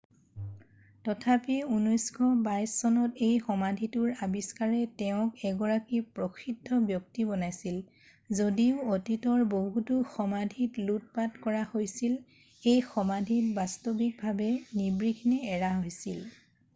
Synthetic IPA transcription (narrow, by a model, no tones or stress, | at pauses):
tɔtʰapiunɔjskʰɔbajsːɔnɔtejxɔmadʱitʊɹabiskaɹɛtɛʊ̃kɛɡɔɹakipɹokʰidʱːɔbjɔk̚tibɔnajsil | zodiʊotitɔɹboɦutuxɔmadʱitlut̚patkɔɹahojsil | ejxɔmadʱitbastobik̚bʱabɛnibɹiɡʰʱnɛːɹaɦojsil